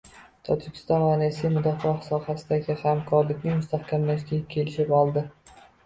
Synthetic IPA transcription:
t̪ʰɒd͡ʒɪkʲʰɪ̥st̪ɒnvaɾajsijmʊd̪ɒfɒhsɒhasɪd̪aɡʲɪhamkʰɒɾlɪkʲnɪŋmʊst̪ʰahkʲʰamlaʃɡʲakʲʰe̞lɪʃɪpɒlˠd̪ɪ

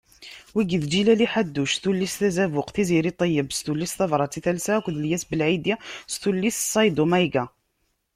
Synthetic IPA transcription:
wiɡiðd͡ʒilæliħad̪ːuʃθulːisθæzævʊqθiziɾit̪ˤəjːəbst̪ulːisθɑvɾˤɑt͡sːiθælsækʷðəljæsbəlʕid̪jasθulːissˤɑjd̪omæjɡa

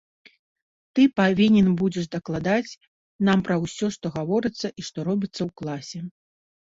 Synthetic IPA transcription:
t̪ɨpavʲinʲɛnbud͡zʲɛʂd̪ɐklˠad̪at͡sʲ | nampɾɐwsʲɔʂt̪ɔɣavɔɾɨt̪sːɐʔiʂt̪ɔɾɔbʲit̪sːɐwklˠasʲɛ

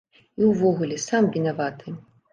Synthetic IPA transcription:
iwvɔɣulʲɛsamvʲinavat̪ɨ

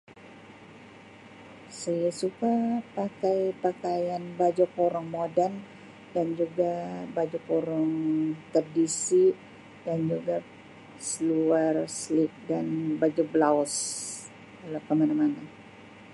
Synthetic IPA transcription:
sajasukapakajpakajanbad͡ʒakoɾaŋmodɛn | dand͡ʒuɡabad͡ʒukoɾaŋt̪ərdisi | dand͡ʒuɡa | səluarslik̚danbad͡ʒublaɔs | alakəmanamana

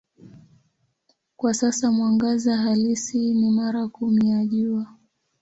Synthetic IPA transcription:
kwasasamwaŋɡazaɦalisinimaɾakumijaʄuwa

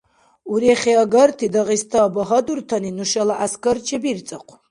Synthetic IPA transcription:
uɾeχʲeɐɡɐrt̪ʰid̪ɐʁist̪ʰɐbɐɦɐd̪urt̪ʰɐninuʃɐlaʔaskɐrt͡ʃʰɛbirt͡sʼɐqʷʰ

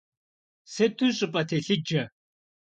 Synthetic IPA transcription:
setʰuɕʼɪpʼɐt̪ʰeɬɨd͡ʒɐ

